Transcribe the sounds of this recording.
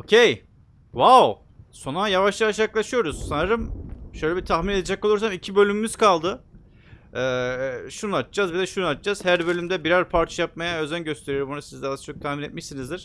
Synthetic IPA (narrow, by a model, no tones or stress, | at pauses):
ocʰej | vaw | so̞najavaʃlˠaaʃjaklˠaʃɯjo̞ɾuz̥sanaɾɯmʃøjlʲɛbit̪ʰaxmine̞d̪ed͡ʒɛkolˠuɾsamicʰibø̞lʲymymyz̥kalˠd̪ɯ | ɛːʃunɯat̪d͡ʒazbid̪ɛʃunuat̪d͡ʒaz̥hæɾbø̞lʲymd̪ɛbiɾaɾpʰaɾt͡ʃʰajap̚majaøzænɟø̞st̪ʰe̞ɾijo̞ɾumbonusizd̪aat͡ʃʰo̞k̚t̪ʰahminet̪̚miʃsinizd̪iɾ̝̥